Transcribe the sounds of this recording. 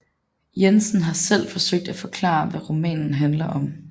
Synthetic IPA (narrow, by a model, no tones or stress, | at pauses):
jensn̩ɦɑ̈sel̰fɒ̽søɡ̥̚d̥æfɒ̽kʰlɑ̰̈ːʋæʁomɛ̰ːnn̩ɦænlɐʔɒ̽m